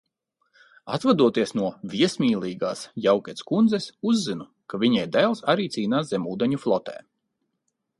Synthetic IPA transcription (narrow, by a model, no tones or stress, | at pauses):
at̪vad̪uɔt̪iɛsnuɔvʲiɛsmʲiːlˠiːɡaːsjawkʲɛt̪skund̪zɛsuzːinu | kavʲiɲɛjd̪ɛlˠsaɾiːt̪siːnaːszɛmuːd̪eɛɲuflˠɔt̪ɛ̰ː